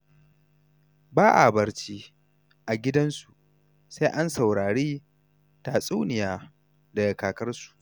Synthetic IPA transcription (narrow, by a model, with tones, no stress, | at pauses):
baː˦ʔa̰˨bɐ˨ɾt͡ʃiː˦ | ʔa˨ɡʲɪ˦dɐ˦nsu˨ʔ | seː˦ʔa˦nsa˨wɽaː˨ɽiː˦ | ta˨sʼu˦nɪ˨jaː˦ | da˨ja˨kaː˨kɐ˦rsu̥˨ʔ